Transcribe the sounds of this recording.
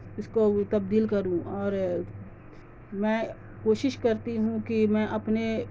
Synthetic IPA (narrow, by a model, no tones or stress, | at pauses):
ɪskot̪ɐb̚d̪iːlkɐɾũɔːɾ | mɛ̃ː | koːʃɪʃkɐɾt̪iɦũkimɛ̃ːʔɐpne